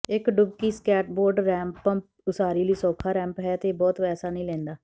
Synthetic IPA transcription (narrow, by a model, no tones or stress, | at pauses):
ɪkɖʊbkiːskɛːʈ̚boːɾɖɾɛ̃ːmpəm | ʊsaːɾiːliːsɔːkʰaːɾɛ̃ːmpɦɛːt̪eːbɔːt̪pɛːsaːnəĩːlɛ̃ːnd̪aː